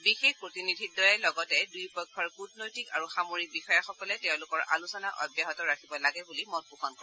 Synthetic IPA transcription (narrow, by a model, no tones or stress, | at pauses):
bixexpɹotinidʱit̚dɔjɛlɔɡɔtɛdujpɔjkʰːɔɹkut̚nojtikaɹuxamoɹik̚bixɔjaxɔkɔlɛtɛʊ̃lʊkɔɹʔa̰lusɔnaʔɔ̰bjaɦɔtɔɹakʰibɔlaɡɛbulimɔt̚pukʰɔnkɔɹ